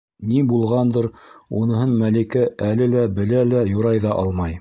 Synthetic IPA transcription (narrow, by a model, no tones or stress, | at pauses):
nibulˠʁɑnd̪ɤɾunɤ̆ɦɤnmælikæʔælɘlæbɘ̆lælæjŏɾɑjðɑʔɑ̰lˠmɑj